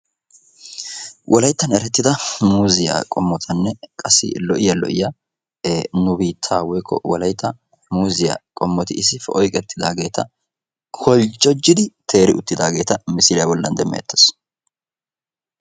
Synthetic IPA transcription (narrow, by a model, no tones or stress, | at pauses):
wʔɔlɐjt̪ːɐnɛɾɛt̪ːɪd̪ɐmuːzɪja̰kʼɔmːɔt̪ʰɐnːɛkʼɐsːɪ̰lɔʔɪjɐlɔ̰ʔɪjɐ | nʊbiːt̪ʰːaːwɔjkʰːɔ̰wɔlɐjt̪ʰːɐ | muːzɪja̰kʼɔmːɔt̪ɪʔɪsɪfɛʔɔjkʼɛt̪ːɪd̪aːɡe̞ːt̪ʰɐ | kʰɔlt͡ʃʼːɔd͡ʒːɪd̪ɪt̪ʰe̞ːɾɪʊt̪ːɪd̪aːɡe̞ːt̪ɐmɪsɪlɪjabɔlːɐ̰nd̪ɛmːɛ̰jɐ̰t̪ːɛ̥s